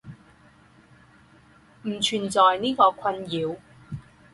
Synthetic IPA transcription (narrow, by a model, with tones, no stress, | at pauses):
m̩˨˩t͡ʃʰyː˨˩nt͡sɔː˨jniː˥kɔː˧kʷʰɐ˧njiː˨˧w